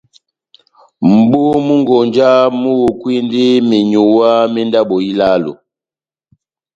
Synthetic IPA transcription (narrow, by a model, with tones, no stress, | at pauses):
m̩˨bu˦mu˦ŋɡɔ˨nd͡ʒa˦mu˦wu˨kwi˦ndi˦mi˨ɲu˨wa˦mi˦nda˦ɓɔ˨i˦la˦lo̰˨